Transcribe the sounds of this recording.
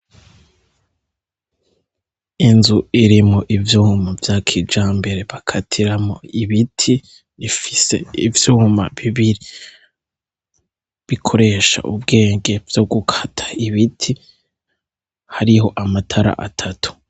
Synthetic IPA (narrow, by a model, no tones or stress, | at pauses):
inzuiɾimoʔivjuhumavjaːkʰid͡ʒaːmbe̞ɾe̞βakʰatʰiɾamoiβitʰi | βifi̥se̞̰ḭvjuhuma̰βiβiɾi | βikʰo̞ɾe̞ʃa̰ʔub̚ɡe̞ːŋɡe̞vjo̞ɡukʰḁtʰḁiβitʰi | haɾiho̞ʔamatʰaɾa̰ʔatʰatʰu̥